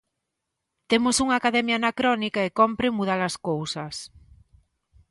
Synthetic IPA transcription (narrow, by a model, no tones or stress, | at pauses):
t̪emosuŋaːkaðɛmjaːnakɾɔnikaekɔmpɾemuð̞alaskowsɐs